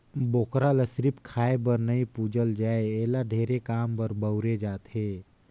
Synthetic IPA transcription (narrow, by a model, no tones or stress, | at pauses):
boːkɾaləsɾɪpkʰaːebəɾnəĩpuːd͡ʒəld͡ʒaːeɛːlaɖʱeːɾekaːmbəɾbəɾed͡ʒaːt̪ɦeː